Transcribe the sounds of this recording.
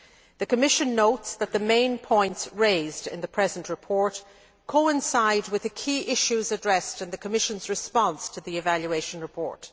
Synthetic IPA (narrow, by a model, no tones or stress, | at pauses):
ðɨkʰəmɪʃɨ̃nːoʊtsðət̪̚ðəmẽɪ̃npʰɔ̃ɪ̃ntsɹeɪzdɪ̰̃nðɨpʰɹ̥ɛzə̃nʔɹɨpʰɔɹt | kʰoʊɪ̃nsaɪd̚wɨðɨkʰiʔɪʃʉzədɹɛstɨ̃nðɨkʰəmɪʃə̃nzɹɨspɑ̃nstʰəðiɨvaljueɪʃə̃nɹɨpʰɔ̰ɹt